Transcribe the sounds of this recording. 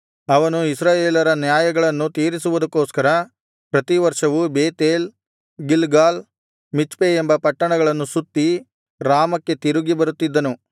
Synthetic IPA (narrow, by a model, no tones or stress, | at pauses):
ɐʋɐnuisɾaːjeːlɐɾɐnjaːjɐɡɐɭɐnːut̪iːɾisuʋud̪ɐkːoːskɐɾɐ | pɾɐt̪iʋɐɾʂɐʋubeːt̪eːl | ɡilɡaːl | mit͡ʃpeembɐpɐʈːɐɳɐɡɐɭɐnːusut̪ːi | ɾaːmɐkːe̞t̪iɾuɡibɐɾut̪ːid̪ːɐnu